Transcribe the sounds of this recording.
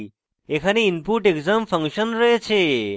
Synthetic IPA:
ekʰaneinpuɾʈekzamfʰəŋkʃənɾəɦet͡ɕʰe

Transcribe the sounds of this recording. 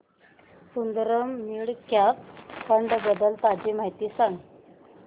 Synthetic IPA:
sund̪ɾəmːiɭkjakkəɳɖbəd̪əlt̪ad͡ʑim̤aɦjt̪iːsaŋɡ

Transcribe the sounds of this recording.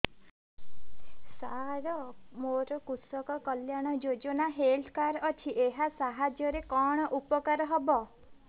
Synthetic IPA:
saɾɔmoɾɔkusɔkɔkɔljaɽ̃ɔd͡ʒod͡ʒɔnaɦelt̪ʰkaɾɔt͡ʃʰiʔeɦasaɦad͡ʒjɔɾekɔɽ̃ɔʔupɔkaɾɔɦɔbɔ

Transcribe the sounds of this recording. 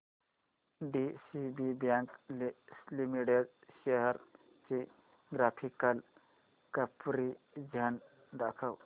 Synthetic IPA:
ɖisibibjãŋk | limiʈeɖʃeɦəɾ | t͡ʃi | ɡɾapʰikəl | kəpɾi | d͡ʒʱan | d̪akʰəw

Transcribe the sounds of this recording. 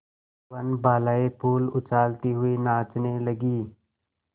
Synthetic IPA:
ənbaːlaːepʰuːlʊt͡ʃaːlt̪iɦʊinaːt͡ʃneləɡiː

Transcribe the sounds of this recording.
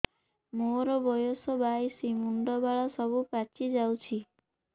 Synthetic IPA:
moɾɔbɔjosɔbajsimuɳɖɔbaɭɔsɔbupat͡ʃʰid͡ʒawt͡ʃʰi

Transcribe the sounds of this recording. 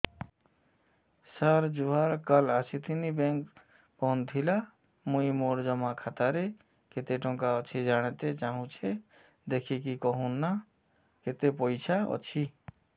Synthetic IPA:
səɾd͡ʒuɦaɾkəlasit̪ʰinibẽŋk | pɔnt̪ʰila | muimoɾd͡ʒəmakʰat̪aɾe | ket̪eʈõkaət͡ʃʰid͡ʒaɽ̃t̪et͡ʃaɦũt͡ʃʰe | d̪ekʰikikəɦũnːa | ket̪epojt͡ʃʰaɔ̰t͡ʃʰi

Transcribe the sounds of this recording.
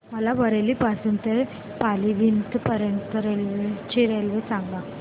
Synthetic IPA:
ɐlaʋɐɾelipasunt̪e | paliʋint̪ɨpɐɾent̪ɐɾelʋet͡ʃiɾelʋɯsaŋɡa

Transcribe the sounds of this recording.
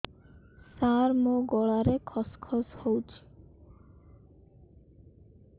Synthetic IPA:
saɾmoɡɔɭaɾekʰɔskʰɔshowt͡ʃʰi̥

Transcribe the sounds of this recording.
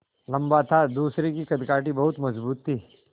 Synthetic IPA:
lɐ̃mbat̪ʰad̪uːsɾekikɐd̪kaːʈibɐɦʊt̪mɐzbuːt̪ʰːiː

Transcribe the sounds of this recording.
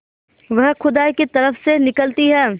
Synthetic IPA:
ʋɐɦxʊd̪aːkit̪ɐɾəfsenɪkəlt̪iɦɛː

